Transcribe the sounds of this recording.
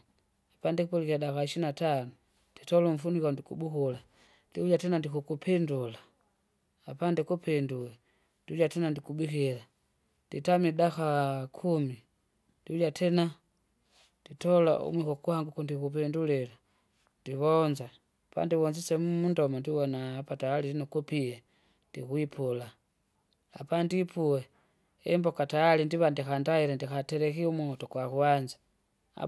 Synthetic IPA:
apandɛkupulikiadakaiʃinatanu | d̥itɔluɱ̩funikandikubukula | ndiuljatɛnandikukupʰɛndulaː | pandɛkupɛndula | d̥iljatɛnandikubikila | nditamidakakʰumi | d̥iuljatʰɛna | d̥itola̰ṵmwixokuhaŋɡukundikupendulela | ndiβonza | pa̰ndiwonzisemumundomandiwonapataalilinokupije | ndixwipʰula | apandipʰuwe | embokataalindiβandixandaiɾendixateɾexiumutokwaxwanzḁ | a̰

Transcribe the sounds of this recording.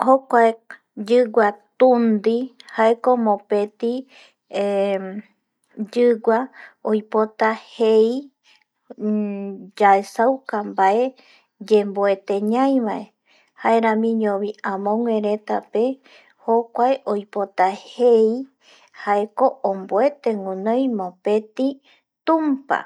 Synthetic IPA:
hokʷae | d͡ʒɨɡʷat̪ũnd̪ihaekomõpe̞t̪i | d͡ʒɨɡaojpot̪ahej | d͡ʒaesawkambae | d͡ʒemboe̞t̪e̞ɲãj̃ʋae | hae̞ɾãmĩɲõβiãmõŋʷẽɾe̞t̪ape̞ | hokʷaeʔojpot̪ahej | haeko̞ʔomboe̞t̪e̞ŋũnõjmõpe̞t̪i | t̪ũmpa̰

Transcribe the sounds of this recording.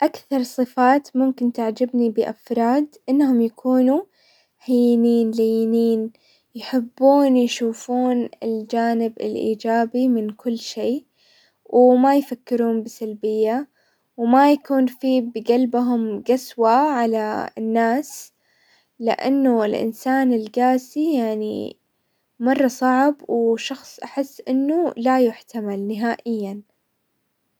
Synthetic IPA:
ʔakθɑɾˤsˤɨfaːt̪mʊmkɪnt̪aʕd͡ʒabnibɪʔafɾˤɑːd̪ʔɪnːhʊmjakʰuːnu | hajniːnlejniːn | jħɪbːuːnjʃuːfuːnɪ̰ld͡ʒaːnɪbɪ̰lʔḭːd͡ʒaːbimɪnkʊlːʃeː | wʔɪmajfakːɪɾuːnbɪsalbɪjːa | wmajakuːnfiːbɪɡalbɦʊmɡaswaʕalanːaːs | lɪ̰ʔa̰nːuɪlʔɪ̰nsaːnɪlɡaːsijaʕnḭ | mɑrˤːɑsˤɑʕbwʃɑxsˤʔaħɪsːʔɪnːulajʊħt̪amalnɪɦaːʔɪjːan

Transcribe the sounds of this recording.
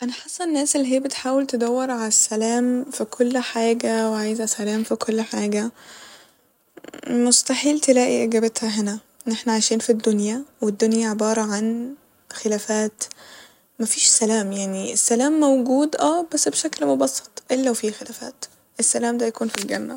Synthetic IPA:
ʔænæħɑsˤːɑnːæːsʔelːiɦeːæbet̪ħaːwelt̪ed̪æwːeɾˤʕalæsːælæːmfikʰolːħaːɡæweʕaːjzʔæsælæːmfikʰolːħaːɡæ | most̪ɑħiːlt̪elæːʔiʔeɡæːbet̪hæɦenæ | enːʔeħnæʕajʃiːnfid̪ːonjæwed̪ːonjæʕebɑːɾˤɑʕan | xelæːfæːt̪ | mæfiːʃsælæːmjaʕniʔesːælæːmːæwɡuːd̪ʔæːbæsːbeʃæklmobɑsˤːɑ̥t̪ˤʔelːæwfiːxelæːfæ̰ːt̪ | ʔesːælæːmd̪æjækuːnfilɡænːæb

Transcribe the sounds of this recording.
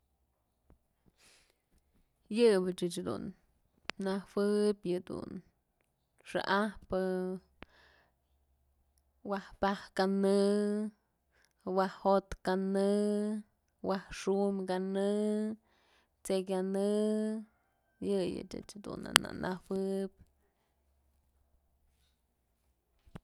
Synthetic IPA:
jɨbɨt͡ʃɨt͡ʃhd̪ṵnː | awɨpʲjɨd̪ṵn | ʂa̰ʔahpɨ | wahpahkanɨ | wahhot̪kanɨ | wahʂumkanɨ | t͡sekʲanɨ | jɨjɨ̰t͡ʃɨ̰t͡ʃhd̪ṵna̰na̰nʔawɨpʲ

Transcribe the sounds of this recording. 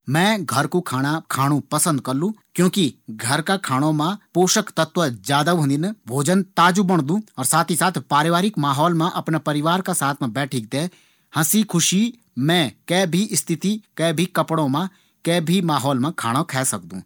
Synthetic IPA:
mɛ̃ːɡʱɐɾkukʰaːɽ̃akʰaːɽ̃ũpɐsə̃nd̪̚kɐɾlũːkjõːkiɡʱɐɾkakʰaːɽ̃õmãpoːʃəkt̪ɐt̪wəd͡ʒaːd̪aɦõd̪inbʱoːd͡ʒənt̪aːd͡ʒubɐɽ̃d̪ũːɔːɾsaːt̪ʰisaːt̪ʰpaːɾeʋaːɾɪkmaːɦɔːlmẽʔɐpnepɐɾɪʋaːɾkasaːt̪ʰmẽbɛːʈʰik̚d̪eː | hɐ̃sikʰʊʃi | mɛ̃ːkɛːbʱiʔɪst̪ʰɪt̪ikɛːbʱikɐpɽ̃õmã | kɛːbʱimaːɦɔːlmãkʰaːɽ̃okʰɛːsɐkd̪ṵ̃ː

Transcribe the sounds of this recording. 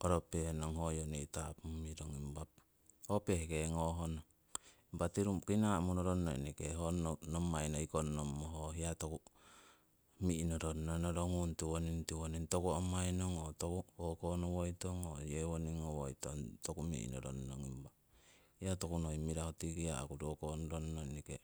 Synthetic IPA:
oɾopehenoŋɦojoneitapmiɾoŋimbap̚ | opehekeŋoɦono | imbatiɾumkinamonoɾonːo̰ḭnikeɦonomajnoikonnomːoɦoɦiatoku | minoɾonnonoɾoŋuntiwonintiwonintokuomajnoŋotokuokonowojtoŋojewoniŋowojto̰ntokumḭʔḭnoɾo̰nnoŋimba | hiatokunoimiɾahotiɡiaa̰kuɾokonɾonnonike

